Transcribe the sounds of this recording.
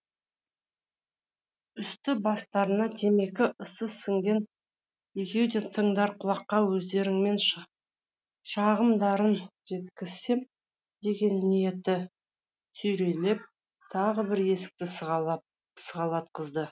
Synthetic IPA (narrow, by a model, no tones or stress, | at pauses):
ʏst̪ɪbɑst̪ɑɾənɑd̪ʰe̞me̞kʲɪʔəsəsɪŋɡʲe̞n | je̞kʲe̞wd̪et̪ʰəɴd̪ɑɾqʰʊlˠɑqːɑwɵzd̪e̞ɾɪŋme̞nʃ | ʃɑʁəmd̪ɑɾənʒe̞t̪kʲɪz̥se̞m | d̪e̞ɡʲe̞nːije̞t̪ɪ | sɵjɾe̞le̞p̚ | t̪ʰɑʁəbɪɾe̞sɪ̥k̚t̪ɪ | səʁɑlˠɑt̪̚qəzd̪ə